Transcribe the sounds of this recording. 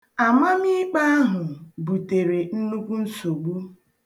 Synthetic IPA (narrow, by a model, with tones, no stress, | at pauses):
a˨ma˦mi˦k͡pa˦a˦ɦʊ˨bu˨te˨ɾe˨n̩˦nu˦kʷu˦n̩˦so˨ɡ͡bu˦